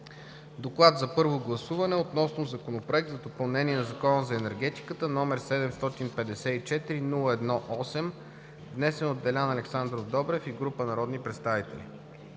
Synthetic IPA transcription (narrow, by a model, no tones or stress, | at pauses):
d̪oklˠad̪zɐpɤɾvoɡlˠɐsuvɐnɛot̪nɔsnozɐkonopɾoɛk̚t̪zɐd̪opɐlˠnɛniɛnɐzɐkɔnəzɐɛnɛɾɡɛt̪i̥kət̪ənɔmɛɾsɛd̪ɛmst̪ɔt̪inpɛd̪ɛsɛit͡ʃɛt̪iɾinulˠəɛd̪nɔʔɔsɛm | vnɛsɛnod̪ːɛlʲanɐlɛksand̪ɾovd̪ɔbɾɛfiɡɾupənɐɾɔd̪nipɾɛt̪st̪avit̪ɛ̰lḭ